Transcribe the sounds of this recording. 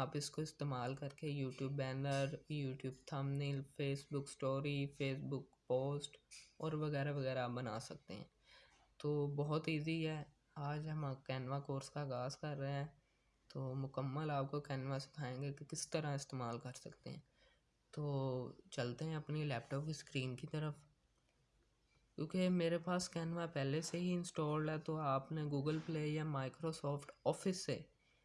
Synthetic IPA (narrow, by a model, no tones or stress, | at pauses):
aːpɪskoɪst̪eːmaːlkɐɾkejuːʈjuːbːɛ̃ːnd̪əɾjuːʈjuːbt̪ʰaːmnilpʰeːsbʊksʈoːɾifʰeːsbʊkpoːsʈɔːɾʋɐɣɛːɾaʋɐɣɛːɾaaːp̚bɐna̰ːsɐk̚t̪ḛɦɛ̰̃ː | t̪oːbɔɦʊt̪iːziɦɛː | aːd͡ʒɦɐmkɛːnʋakoːɾskaːɣaːzkɐɾːɐɦeɦɛ̃ː | t̪oːmʊkəmːəlaːp̚kokɛːnʋasɪ̥kʰaːẽːŋɡekekɪst̪əɾaɪst̪eːmaːlkɐɾsɐkt̪ḛɦɛ̰̃ː | t̪oːt͡ʃɐlt̪eɦɛ̃ɐpnilɛːp̚ʈɔːpkiskɾiːnkit̪ɐɾəf | kjũːkemeːɾepaːskɛːnʋapɛːleseɦiɪ̃nsʈɔːɾɖɦɛt̪oaːpneɡuːɡəlpleːjamaːɪkɾosɔːfʰʈɔːfɪsːḛː